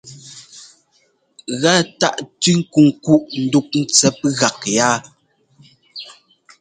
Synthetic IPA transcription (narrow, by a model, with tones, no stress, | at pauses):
ɣa˦ta˦ʔtʉ˦ŋ̩˦ku˨ŋ˨ku˦ʔn̩˦du˦k̚n̩˦t͡sɛ˦pɣa˨k̚ja˦